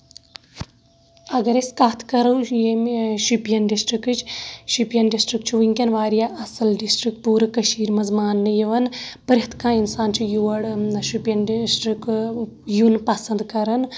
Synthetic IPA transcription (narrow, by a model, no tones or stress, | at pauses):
ɐɡɐɾiskaːt̪ʰkɐɾujemʃipijɐnɖisʈɾikɨt͡ʃʰʃipjɐnɖisʈɾik̚t͡ʃʰiʋiŋkʲɐnʋaːɾijaʔɐsɐlɖisʈɾik̪̚puːɾɨkɐʃiːɾmɐzmaːnːɨjɐʋɐnpɐɾɦɐt̪ʰkãːinsaːnt͡ʃʰijuʋɐɽʃipjɐnɖsʈɾik | junpɐsɐnd̪kɐɾɐn